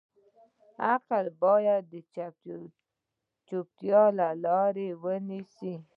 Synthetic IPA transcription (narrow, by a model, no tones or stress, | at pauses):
aqəlbɑjad̪ːə | t͡ʃop̚t̪jɑlalɑɾewənisi